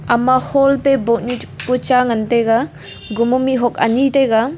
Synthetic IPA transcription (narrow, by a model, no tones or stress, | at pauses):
amahɔlpebɔʔ̚nuput͡ʃaŋanteɡa | ɡumumiɦɔk̚a̰niteɡa